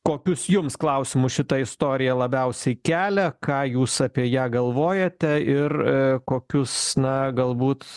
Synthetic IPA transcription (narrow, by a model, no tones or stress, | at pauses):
koːkʲʊsjʊmsklˠɐʊsʲɪmʊsʃʲɪt̪ɐɪst̪oːɾʲɪjɛlˠɐbʲɛʊsʲɛɪkʲæːlʲɛkɑːjuːsɐpʲiɛjæːɡɐlˠʋoːjɛt̪ʲɛɪrkoːkʲʊsnɐɡɐlˠbuːt̪